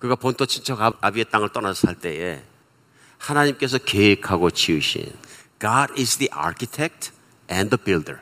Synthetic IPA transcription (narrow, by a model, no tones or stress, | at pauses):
kɯɡapontʰot͡ɕʰint͡ɕʰʌɡaabiet͈aŋɯɭt͈ʌnasʰʌsʰaɭt͈e̞ḛ | hanaɲimk͈e̞s̬ʰʌkeekʰaɡot͡ɕʰiuɕʰḭnɡ̥aɾizdiʔa̰ɾkʰitʰek̚tʰ | ɛ̃ndəbildə̰˞